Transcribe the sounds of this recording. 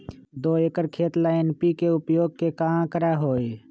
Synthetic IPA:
d̪oːekəɾkʰeːt̪laɪnpikeʊpjoːɡ̚kekaãkəɾaɦoːe

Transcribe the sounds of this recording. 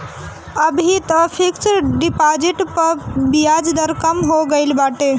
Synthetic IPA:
əbʱit̪əpʰekt͡ʃɾɖipad͡ʒiʈpəɾbijad͡ʒd̪əɾkəmɦoɡəlbaʈe

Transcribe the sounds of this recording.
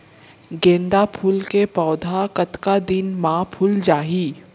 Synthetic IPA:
ɡẽːnd̪apʰuːlkepɔːd̪ʱakɐt̪kad̪ɪnmãːpʰʊld͡ʒaːɦiː

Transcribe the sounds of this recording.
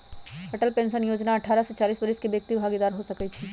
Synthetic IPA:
ɐʈəlpẽːnʃənjoːd͡ʒnaɐʈʰaːɾaset͡ʃaːliːsbɐɾɪskibjɐk̚t̪ibʱaːɡid̪aːɾɦosɐkəit͡ʃʰiː

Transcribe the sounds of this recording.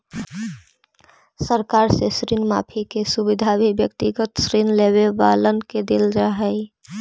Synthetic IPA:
səɾkaːɾsesɾinma̰ːpʰikesubɪd̪ʱabʱibjəkt̪iɡət̪sɾinleβebaːlənked̪eːld͡ʒaɦɛi

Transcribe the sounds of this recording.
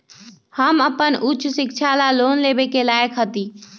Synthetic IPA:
həməpənʊtːt͡ʃʰsikt͡ʃʰalalonlebekelaəkɦət̪i

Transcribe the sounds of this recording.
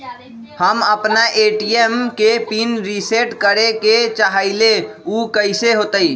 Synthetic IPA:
həməpnaʔeːʈijemkepinɾiseʈkəɾeket͡ʃaɦaɪleukəɪseɦoːt̪əi

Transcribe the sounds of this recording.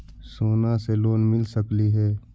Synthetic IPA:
soːnaseloːnmɪlsəkliɦɛː

